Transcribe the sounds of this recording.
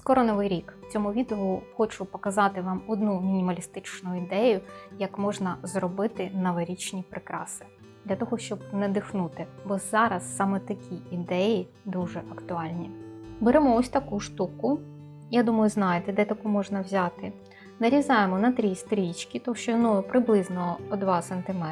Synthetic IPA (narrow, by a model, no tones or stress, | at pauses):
skɔɾɔnɔʋɪjɾʲikt͡sʲɔmʊʋʲid̪ɔʊxɔt͡ʃʊpɔkɐzɑt̪ɪʋɑmɔd̪numʲinʲimɐlʲist̪ɪt͡ʃnʊid̪ɛjʊjɐkmɔʒnɐzrɔbɪt̪ɪnɐʋɐɾʲit͡ʃnʲipɾɪkɾɑ̰sɪ̥ | d̪lʲɐt̪ɔɦɔʃt͡ʃɔb̚nɛd̪ɪxnut̪ɪbɔz̥ɑɾɐsːɑmɛt̪ɐkʲiid̪ɛji | d̪uʒɛʔɐkt̪ʊɑlʲnʲibeɾɛmɔɔsʲt̪ɐkuʃt̪ukʊ | jad̪umɐjʊznɑjet̪ɛd̪ɛt̪ɐkumɔʒnɐwzʲat̪ɪ | nɐɾʲizɑjemɔnɐt̪ɾʲist̪ɾʲit͡ʃkʲit̪ɔkʃt͡ʃɔjɔnɔjʊpɾɪblˠɪznɔɔd̪ʋɑsɛnt̪ɪmɛ